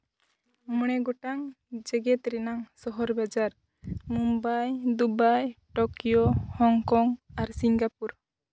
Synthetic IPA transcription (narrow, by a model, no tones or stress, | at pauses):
mɔɽ̃ɛɡɔʈaŋ | d͡ʒɛɡɛt̪ɾɛnaŋsɔɦɔɾbad͡ʒaɾ | mumbajd̪ubajʈɔkijohɔŋkɔŋaɾsiŋɡapuɾ